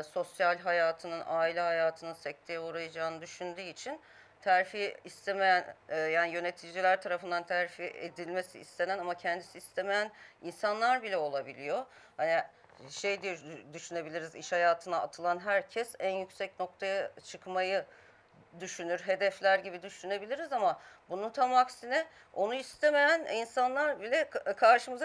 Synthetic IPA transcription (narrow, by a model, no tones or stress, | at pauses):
so̞sjalʲɦajaːt̪ʰɯnɯnʔaːilʲɛɦajaːt̪ʰɯnɯnsɛc̚t̪ʰejɛuɾajad͡ʒaːnɯd̪yʃynd̪yːit͡ʃʰin | t̪ʰæɾfiːst̪ʰemejænːjaːnijø̞ne̞t̪ʰid͡ʒilʲæɾt̪ʰaɾafɯnd̪ant̪ʰæɾfiḛd̪ilʲme̞sḭːst̪ʰenænamacʰɛnd̪isiːst̪ʰeme̞jæninsanlˠaɾbilʲɛo̞lˠabilʲijo̞ | hani | ʃejd̪ijod̪yʃyne̞bilʲiɾiziʃhajaːt̪ʰɯnaːt̪ʰɯlˠanɦæɾcʰɛsænjycsɛcno̞k̚t̪ʰajat͡ʃʰɯkmajɯ | d̪yʃynyɾɦe̞d̪ɛflʲæɾɟibid̪yʃyne̞bilʲiɾizamabununt̪ʰamaksinɛ | o̞nuist̪ʰeme̞jæninsanlˠaɾbilʲɛkʰaɾʃɯmɯz